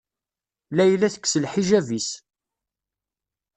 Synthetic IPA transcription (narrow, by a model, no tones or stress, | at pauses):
læjlæθə̥kːsəlħiʒævis